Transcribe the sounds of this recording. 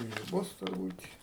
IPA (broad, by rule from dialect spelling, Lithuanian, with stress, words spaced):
ɪ ˈbʊs tʊrˈbuːtʲ